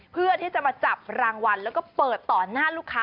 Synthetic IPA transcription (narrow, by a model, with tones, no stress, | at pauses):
pʰɯ˥˩ət̪ʰiː˥˩t͡ɕa˨˩ʔmaː˧t͡ɕa˨˩p̚ɾaː˧ŋwa˧nlɛː˦˥wkɔː˥˩pɤː˨˩t̪ːɔː˨˩naː˥˩luː˥˩kʰːaː˦˥